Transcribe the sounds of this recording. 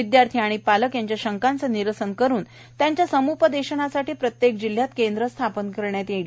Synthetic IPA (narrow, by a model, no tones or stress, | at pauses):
id̪jaɾt̪ʰiaɽ̃ipaləkjaɲt͡ɕjaɕəŋkant͡səniɾəsənkəɾuːn | t̪jaɲt͡ɕjasəmupəd̪eɕənasaʈiːpɾət̪jekd͡ʑil̤jat̪kend̪ɾəst̪ʰapənkəɾɳjat̪jeɽ